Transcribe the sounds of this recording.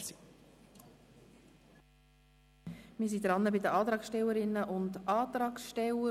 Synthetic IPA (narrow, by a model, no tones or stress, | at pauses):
si | mɪːsid̪ɾɑnːəbɪdəɑːt̪ɾɑːksʃtɛlːəɾɪnːəʔʊndɑːt̪ɾɑːksʃtɛlə